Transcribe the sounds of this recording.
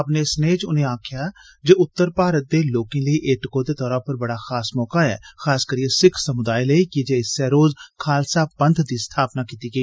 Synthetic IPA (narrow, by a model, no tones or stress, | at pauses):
əpneːsneːt͡ʃʊnẽːaːkʰjaː | d͡ʒeːʊt̪ːəɾpaːɾət̪̚d̪eːloːkẽːləiːʔeːʈkoːd̪eːt̪ɔːɾãːpəɾbəɽaːxʰaːsmɔːkaːɛ̰ːxʰaːskəɾiẽsɪkʰsəmʊd̪aːiləiːkɪd͡ʒeːɪsɛːɾoːzkʰaːlsaːbənd̪d̪iːst̪ʰaːpnaːkiːt̪iːɡəiː